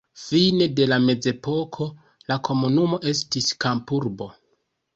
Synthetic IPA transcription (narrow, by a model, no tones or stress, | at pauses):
fine̞de̞lame̞d͡ze̞po̞kʰo̞ | lakʰo̞munumo̞ʔe̞s̬tiskampuɾbo̞